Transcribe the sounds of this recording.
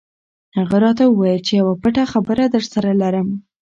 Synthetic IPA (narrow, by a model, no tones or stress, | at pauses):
haɣaɾɑt̪awəwajəlt͡ʃejawapəʈaxabəɾad̪əɾsaɾalaɾəm